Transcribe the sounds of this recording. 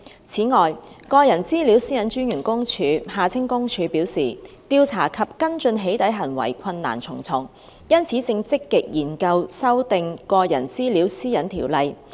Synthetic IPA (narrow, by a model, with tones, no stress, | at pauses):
t͡sʰiː˨˥ŋɔː˨jkɔː˧jɐ˨˩nt͡siː˥liː˨˥wsiː˥jɐ˨˥nt͡ʃyː˥njyː˨˩nkʊ˥ŋt͡ʃʰyː˨˧haː˨˧t͡sʰɪ˥ŋkʊ˥ŋt͡ʃʰyː˨˧piː˨˥wsiː˨˩t̪iː˧wt͡sʰa̰ː˨˩kʰɐ˨p̚kɐ˥nt͡ʃɵ˧nɦe˨˥jt̪ɐ˨˥jɦɐ˨˩nwɐ̰˨˩jkʷʰɐ˧nːa̰ː˨˩nt͡sʰʊ˨˩ŋt͡sʰʊ˨˩ŋ | jɐ˥nt͡sʰiː˨˥t͡sɪ˧ŋt͡sɪ˥kːɪ˨k̚jiː˨˩nkɐ˧wsɐ˥wt̪ɪ˨˧ŋkɔː˧jɐ˨˩nt͡siː˥liː˨˥wsiː˥jɐ˨˥nt̪ʰiː˨˩wlɐ˨˧j